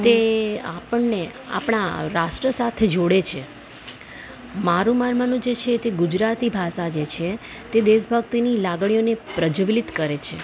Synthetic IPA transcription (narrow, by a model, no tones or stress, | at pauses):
t̪eapəɳːea̰pɳ̃aɾaʃʈɾəsat̪ʰed͡ʒoɽet͡ʃʰe | maɾũmanmanũd͡ʒet͡ʃʰet̪eɡud͡ʒɾat̪ibʱaʃad͡ʒet͡ʃʰe | t̪ed̪eʃbʱəɡt̪inilaɡɳ̃ijonepɾəd͡ʒʋlɪt̪kəɾet͡ʃʰe